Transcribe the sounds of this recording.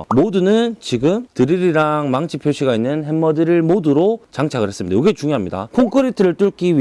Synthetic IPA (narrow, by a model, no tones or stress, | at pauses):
modunɯnt͡ɕiɡɯmtɯɾiɾiɾaŋmaŋt͡ɕʰipʰjoɕʰiɡainːɯnɦemːʌdɯɾɯɭmoduɾot͡ɕaŋt͡ɕʰaɡɯɭhe̞s͈ɯmɲidajoɡet͡ɕuŋjoɦamɲida̰kʰoŋkʰɯɾitʰɯɾɯɭt͈uɭk͈iɥi